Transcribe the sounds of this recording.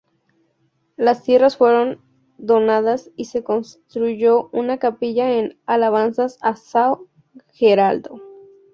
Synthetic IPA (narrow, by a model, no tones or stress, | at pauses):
last̪je̞rasfwe̞ɾo̞n | d̪o̞naðasise̞ko̞nst̪ɾuʝo̞unakapiʝaenalaβ̞ansasasaw | xeɾald̪o̞